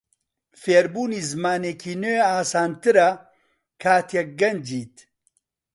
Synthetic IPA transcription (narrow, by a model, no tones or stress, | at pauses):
feːɾbuːniːzɨmaːneːkʰiːnøːaːsaːnt̪ɨɾɐ | kʰaːt̪jɛk̚ɡɐnd͡ʒiːt̪